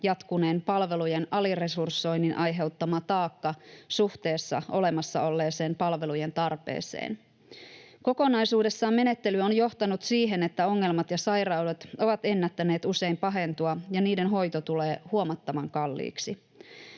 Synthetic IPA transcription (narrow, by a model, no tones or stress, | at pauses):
jɑt̪kuneːmpɑlʋe̞lujenɑlire̞sursːo̞jnːinʔɑjɦe̞wt̪ːɑmɑt̪ɑːkːɑsuht̪e̞ːsːɑ̰ʔo̞le̞mɑsːɑ̰o̞lːe̞ːse̞ːmpɑlʋe̞luje̞nt̪ɑrpḛːsḛːn | ko̞ko̞nɑjsuːde̞sːɑːme̞ne̞t̪ːe̞lyonjo̞ht̪ɑnut̪siːɦe̞ne̞t̪ːæo̞ŋːe̞lmɑt̪jɑsɑjrɑwdet̪o̞ʋɑt̪e̞nːæt̪ːæneːt̪use̞impɑɦe̞nt̪uɑjɑniːdenɦo̞jt̪ot̪ule̞ːhuomɑt̪ːɑmɑŋkɑlːḭːksi